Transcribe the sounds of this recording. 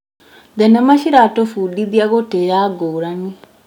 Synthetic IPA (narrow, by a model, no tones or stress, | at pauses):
d̪ɛnɛmaʃiɾatofuɗid̪iaɣotejaɡoɾaŋi